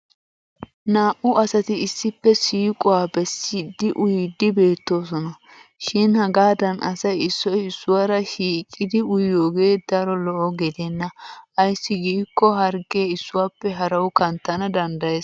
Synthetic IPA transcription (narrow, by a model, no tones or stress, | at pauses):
naːʔʊɐsɐt̪ɪɪsːɪpːɛsiːkʼɔwaːbɛsːɪd̪ːɪʔʊjd̪ɪbe̞ːt̪ːo̞ːsɔnɐ | ʃɪnhɐɡaːd̪ɐnʔɐ̰sɐjɪsːɔjɪsːʊwaːɾɐʃiːkʼːɪd̪ɪʊjoːɡe̞ːd̪ɐɾɔlɔʔɔɡɛd̪ɛnːɐɐjsːɪɡiːkːɔɦɐɾɡe̞ːɪsːʊwaːpːɛɦɐɾɐwʊkɐnt̪ːɐnɐd̪ɐnd̪ɐjeːs